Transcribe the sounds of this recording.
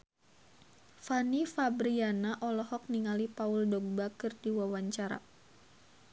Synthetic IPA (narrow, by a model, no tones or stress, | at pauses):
fanifabɾianaʔɔlɔhɔk̚niŋalipauldɔɡ̚bakɨrdiwawaɲt͡ʃaɾa̰